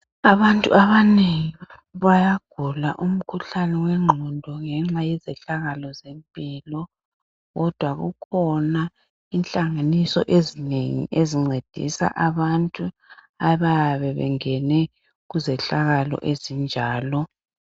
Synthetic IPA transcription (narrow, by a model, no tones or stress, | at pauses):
aβantʼṵaβaneŋi | βajaɡ̥ʱula̰ʔum̩kʰuɬanɛwɛŋ͡ǃʱɔndʱɔŋɛŋ͡ǁajɛzɛɬaɣalɔzempʼilɔ | ɣɔd̥ʱwaɣṵkʰɔna | inɬʼaŋanisɔʔezineŋḭʔeziŋ͡ǀed̥ʱḭsa̰ʔaβantʼu | aβajaβɛβɛ̰ŋɛnɛ | ɣuzɛɬaɣalɔ̰ʔezind͡ʒʱaːlɔ